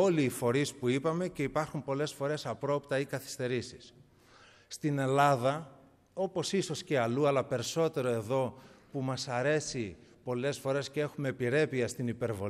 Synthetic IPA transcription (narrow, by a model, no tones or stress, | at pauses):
o̞liːfo̞ɾispuipɐme̞ce̞ipɐɾxumpo̞le̞sfo̞ɾe̞sɐpɾo̞pt̪ɐikɐθi̥st̪e̞ɾisi̥sː | t̪ine̞lɐðɐ | o̞po̞siso̞sce̞ɐluɐlɐpe̞ɾiso̞t̪e̞ɾoe̞ðo̞pumɐsɐɾe̞si | po̞le̞sfo̞ɾe̞scee̞xume̞piɾe̞piɐst̪inipe̞ɾvo̞